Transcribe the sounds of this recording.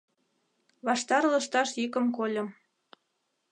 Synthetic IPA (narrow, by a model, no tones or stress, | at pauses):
βɑʃt̪ɑɾlɤ̆ʃt̪ɑʃjikə̆mkolʲɤ̆m